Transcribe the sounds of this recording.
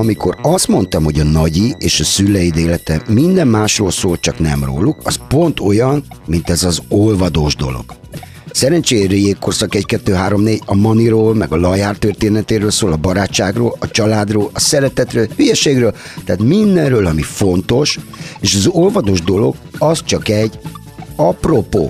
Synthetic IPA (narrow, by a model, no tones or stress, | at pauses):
ɒmiko̞rɒst̪mo̞nt̪ɒmho̞ɟɒnɒɟieːʃɒsylːɛjid̪eːlɛt̪ɛmːind̪ɛmmaːʃroːlsoːlt͡ʃɒknɛ̰mro̰ːlːukɒspo̞nt̪o̞jɒnmint̪ɛzɒzolvɒd̪oːʒd̪o̞̰lo̰ɡ̥ | sɛɾɛnt͡ʃeːjrijeːkːorsɒkɛckɛt̪ːøːɦaːɾo̞mneːɟɒmɒniɾoːlmɛɡɒlɒjaːrt̪ørt̪eːnɛt̪eːɾøːlsoːlɒbɒɾaːt͡ʃːaːɡroːlɒt͡ʃɒlaːd̪roːlɒsɛɾɛt̪ɛt̪røːlhyjɛʃeːɡrøːl | t̪aːt̪mind̪ɛnrøːlɒmifo̞nt̪o̞ʃeːʃɒzo̞lvɒd̪oːʒd̪o̞lo̞̰ɡɒst͡ʃɒkɛɟː | ɒpro̞po̰ː